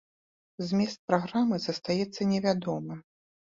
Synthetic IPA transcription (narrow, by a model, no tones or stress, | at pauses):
zʲmʲɛst̪̚pɾaɣɾamɨzɐst̪ajɛt̪sːɐnʲɛvʲad̪ɔmɨ